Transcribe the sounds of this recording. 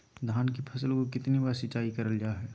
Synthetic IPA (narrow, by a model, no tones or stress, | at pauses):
d̪ʱaːnkipʰɐsəlkokɪt̪nibaːɾsɪt͡ʃaːikɐɾəlɡaːɦɛː